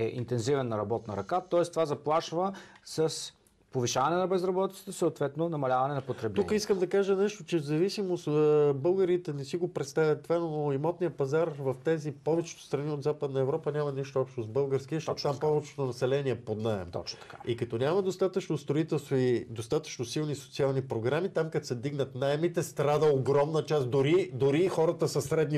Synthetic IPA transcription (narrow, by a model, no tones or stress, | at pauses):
ɛʔḭnt̪ɛnzivɛnːɐɾɐbɔt̪nəɾɐkat̪ɔɛst̪ovazɐplˠaʃvəsəs | poviʃavɐnɛnɐbɛzɾɐbɔt̪it̪ə̥t̪əsəot̪vɛt̪nonɐmɐlʲavɐnɛnɐpot̪ɾɛblukəiskəmd̪ɐkaʒənɛʃt̪ot͡ʃɛzɐvisimosbɤlˠɡəɾit̪ɛnɛsiɡopɾɛt̪st̪avʲjɐt̪ːvanooimɔt̪nijəpɐzaɾvɐft̪ɛzipɔvɛt͡ʃɛ̥t̪o̥st̪ɾɐniod̪zapəd̪nəɛvɾɔpənʲamɐniʃt̪oɔpʃt̪ozbɤlˠɡəɾsk̟iəʃɔt̪ampɔvɛt͡ʃɛ̥t̪ʊnɐsɛlɛniɛpod̪naɛ̰mt̪ɔ̰t͡ʃt̪ɐkaikɐt̪ɔnʲamɐd̪ost̪at̪ət͡ʃnost̪ɾoit̪ɛlˠst̪void̪ost̪at̪ə̥t͡ʃnosilˠniso̥t̪sialˠnipɾoɡɾamit̪amkɐt̪sɛd̪iɡnət̪naɛmit̪ɛst̪ɾad̪əoɡɾɔmnət͡ʃast̪d̪ʊɾid̪oɾixɔɾɐt̪əsɐsɾɛd̪ni